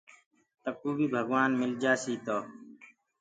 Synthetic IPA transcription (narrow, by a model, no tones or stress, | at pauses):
t̪əkuːbiːbʱəɡwaːnmɪld͡ʒaːsiːt̪oː